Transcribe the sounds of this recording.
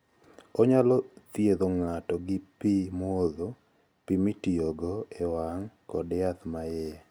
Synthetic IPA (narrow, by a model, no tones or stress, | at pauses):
ɔɲalɔt̪jed̪oŋatɔɡɪpimoðo | pimitioɡɔewaŋkɔdjat̪majɛ